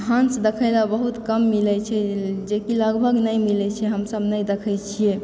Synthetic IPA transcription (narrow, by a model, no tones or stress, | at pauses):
ɦãnsd̪ekʰəjlabəɦut̪kəmːilɛt͡ʃʰɛd͡ʒekiləɡbʱəɡnəjmilɛt͡ʃʰɛɦəmsəbnəjd̪ekʰəjt͡ʃʰije